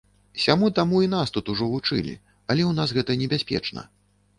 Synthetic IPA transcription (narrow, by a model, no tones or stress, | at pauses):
sʲamut̪amuinast̪ut̪uʐɔvut͡ʂɨ̰lʲḭ | ɐlʲɛwnasɣɛt̪ɐnʲɛbʲasʲpʲɛ̰t͡ʂnɐ̰